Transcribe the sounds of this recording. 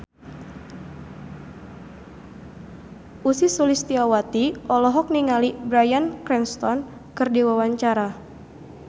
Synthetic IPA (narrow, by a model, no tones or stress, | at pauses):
ʔusisulist̪iawat̪iʔɔlɔɦɔk̚niŋalibɾajankɾɛnst̪ɔn | kɨrdiwawaɲt͡ʃaɾa